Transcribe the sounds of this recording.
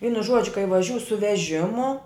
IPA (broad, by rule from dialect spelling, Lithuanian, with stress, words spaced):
ˈʋʲiːnʊ ˈʒuɔd͡ʒʲʊ kɐɪ ʋɐˈʒʲuː sʊ ʋʲɛˈʒʲɪmʊ